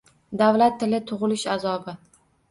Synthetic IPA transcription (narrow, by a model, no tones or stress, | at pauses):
d̪avlat̪ʰːɪlɪt̪ʰʊʁɨlɪʃazɒbɪ